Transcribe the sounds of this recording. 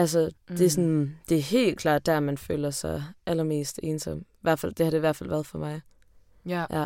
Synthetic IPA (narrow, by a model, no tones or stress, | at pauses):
ʔæls̬əd̥e̝æɐsɒnd̥e̝æɐɦe̝̰ːlkʰl̥ɑ̰ːd̥ːæɐmænfø̰ːlɐsɑ̈ɪʔælɐme̝̰ːsd̥e̝ːnsɒm̰ʋæɐ̰fæl̰d̥e̝hɑd̥e̝iʋæɐ̰̥fæl̰ʋæɐðˠfɒmɑ̈ɪ | ʔæ